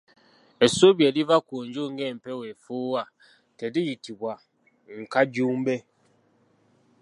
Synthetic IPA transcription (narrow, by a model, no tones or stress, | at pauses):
esobjedivakoɲd͡ʒuŋɡem̩pɛwefuwa | tɛdijitibwa | ŋ̩kaɟuːmbe